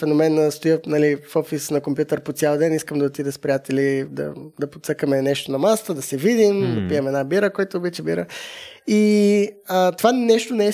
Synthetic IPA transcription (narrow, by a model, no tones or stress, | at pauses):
fɛnomɛnəst̪ojənɐlifɔfisnɐkompjut̪əɾpot̪sʲjalˠd̪ɛniskəmd̪ɐot̪id̪ɛspɾijat̪ɛlid̪ɐ̰d̪ɐpot̪səkəmɛnɛʃt̪onɐmasə̥t̪əd̪ɐsɛvid̪imd̪ɐpiəmɛd̪nabiɾəkɔjt̪oːbat͡ʃɛbiɾəi | ət̪ovanɛʃt̪onɛɛ